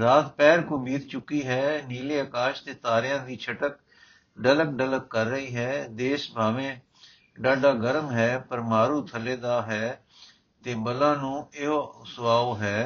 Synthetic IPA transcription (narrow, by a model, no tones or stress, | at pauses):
ɾaːt̪pɛːɾkoːbiːt̪t͡ʃʊkːiːɦɛːniːleːəkaːʃt̪eːt̪aːɾɪjãːd̪iːt͡ʃʰəʈək | ɖələkɖələkːəɾːəɦiːɦɛːd̪eːʃbʱaːʋẽː | ɖaːɖaːɡəɾəmɦɛːpəɾmaːɾuːt̪ʰəleːd̪aːɦɛː | t̪eːbəlãːnũːɪɦoːsʊʋaːoːɦɛː